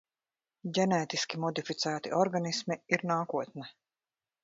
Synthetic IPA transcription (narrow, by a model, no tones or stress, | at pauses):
ɟʲɛnɛːt̪iskʲimɔd̪ifit̪sæːt̪iʔɔɾɡanismiiɾnaːkuɔt̪nɛ